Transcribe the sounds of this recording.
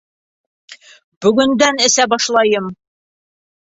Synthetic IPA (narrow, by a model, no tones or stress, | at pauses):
bɵ̆ɡɵ̆nd̪ænɘ̆sæbɑʃlˠɑjɤm